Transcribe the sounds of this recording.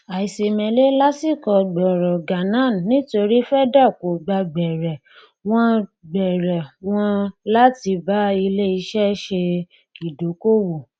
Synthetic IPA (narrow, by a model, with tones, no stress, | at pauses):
a˨i˨se˨mɛ̃˨˦le˦la˦si˦˨kɔ˨ɡ͡bɔ˨ɾɔ˨ɡa˨nã˨˦˨n˨nĩ˦to˧ɾi˦fɛ˦da˦˨ko˨ɡ͡ba˧ɡ͡bɛ˨ɾɛ˨ | w̃ɔ̃˦ɡ͡bɛ˨ɾɛ˨w̃ɔ̃˧la˦ti˧ba˦i˧le˦i˧ʃɛ˦ʃe˧ | ki˨do˨˦ko˦wo˨